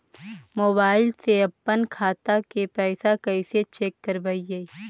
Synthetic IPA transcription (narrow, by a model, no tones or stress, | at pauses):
moːbaːɪlseɐpːənkʰaːt̪akepɛːsakɐiset͡ʃeːkːəɾbɐije